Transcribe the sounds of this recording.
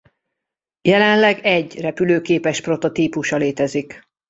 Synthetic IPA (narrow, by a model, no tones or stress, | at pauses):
jɛlɛnlɛɡɛɟrɛpyløːkeːpɛʃpro̞t̪o̞t̪iːpuʃɒleːt̪ɛzik